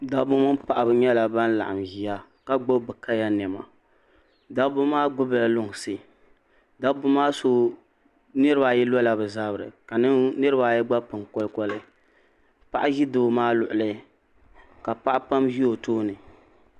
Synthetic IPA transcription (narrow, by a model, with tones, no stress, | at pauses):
da˦bʊ˦mʊ˦npa˨ʔa˨bɨ˨ɲɛ˦la˨ba˦n˦la̰˨ʔa˨mʒi˨ja˦ | ka˦ɡ͡bo˦bɨ˨ka˦ja˦n˨ɛ˨ma̰˨ | da˦bʊ˦maː˦ɡ͡bʊ˦bla˨lʊ˦ŋ˨sɨ˦ | da˦bʊ˦maː˦so˦ | nɨ˦ɾɨ˦ba˨jɛ˦lɔ˦la˨bɨ˨za˦bɨ˨ɾɨ̰˨ka˨nɨ˦ŋnɨ˦ɾɨ˦baː˨jɛ˦ɡ͡ba˦pɨ˨ŋkɔ˦lkɔ˦lɨ˦ | pa˨ʔa˦ʒi˦doː˨maː˦lʊ˨ʔʊ˨lɨ˦ | ka˨pa˦ʔa˦pa˦mʒi˦o˨toː˦nɨ˨